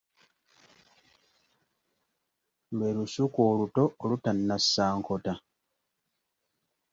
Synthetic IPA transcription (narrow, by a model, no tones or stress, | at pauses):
mbeɾusukoːluto̞ːlutanːasːaːŋkʰo̞ta